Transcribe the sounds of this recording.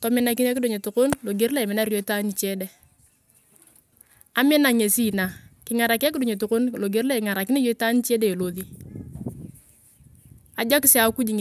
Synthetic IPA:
tɔ˨mɪ˦na˦ki˦na˦kɪ˦do˨ɲe˨tu˨ko˦nlo˨ɡe˨˦ɾle˦˨mɪ˨˦na˦ɾjo˨˦i˦ta˦ni˨t͡ʃe˦de˨ | a˦mɪ˦na˨ŋe˨si˦na˨kɪ˨ŋa˨ɾa˨ka˦kɪ˦do˨ɲe˨tu˨ko˦nlo˨ɡe˨˦ɾle˦ɪ˨ŋa˨ɾa˨kɪ˦ne˦jo˦i˦ta˦n˦t͡ʃe˦deː˦˨lo˨ði˦ | a˨d͡ʒɔ˦kɪ˦si˦a˨ku˦d͡ʒi˨ŋ

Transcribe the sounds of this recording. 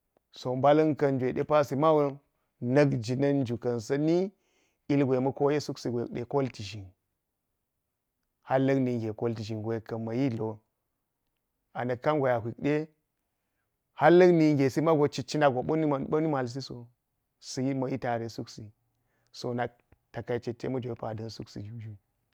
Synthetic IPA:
so˨mba˦lɐ˦nkɐ˨nd͡ʒʷe˨ɗe˦pa˦si˨˦ma˦wo˦ | nɐ˦ɡd͡ʒi˨nɐ˦nd͡ʒu˨kɐ˨nsɐ˦ni˦ | i˦lɡʷe˨mɐ˦ko˦je˦su˦ksi˨ɡʷe˨kɗḛ˨ko˦lti˨ʒi˨n | ha˦lːɐ˦kni˨ɡe˨ko˦lti˨ʒi˨nɡʷe˨kɐ˨mɐ˨ji˦lo˨ | a˨nɐ˨kːa˦ŋɡʷo˨ja˨ɦʷi˨k̚ɗe˦ | ha˦lːɐ˦ɡni˨ŋɡʲe˨si˦ma˦ɡo˨t͡ʃi˦t͡ʃi˦na˦ɡo˨ɓo˦ni˦ma˨ɓo˦ni˦ma˨ls̬i˦so˨ | si˦i˦mɐ˨˦ji˦ta˨ɾe˨su˦ksi˨ | so˨na˦k̚ | ta˨ka˦˨˦t͡ʃe˨tːḛ˦mɐ˦d͡ʒʷo˨˦pa˨dɐ˦nsu˦ksḭ˨d͡ʒu˨d͡ʒu˦

